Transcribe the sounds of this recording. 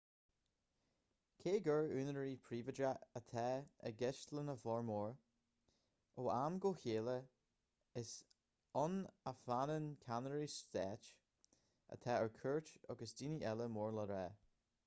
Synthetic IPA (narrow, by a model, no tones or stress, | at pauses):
kʰeːɡəɹʉːnəɹiːpʰɾiːvədɾaət̪ʰɛə̰ɡɛʃtlənəfɔɹmɔːɹ | oːʔamɡoːçeːlə | ɪs | ɔnəfanənkʰanəɹistɛːt͡ʃ | ə̰t̪ʰɛːəɹkʰɜɹt͡ʃɔ̰ɡəsdiːniʔɛləmoːɹləɾɛː